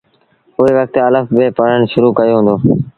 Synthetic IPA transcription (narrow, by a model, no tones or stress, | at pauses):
ʊeːʋək̚t̪ələfbeːpəɽ̤əɳʃʊɾuːkəjoːɦʊ̃ːnd̪oː